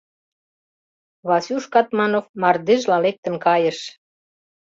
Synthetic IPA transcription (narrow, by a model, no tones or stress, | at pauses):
βɑsʲuʃkɑt̪mɑnofmɑrd̪eʒlɑlek̚t̪ə̆nkɑjə̆ʃ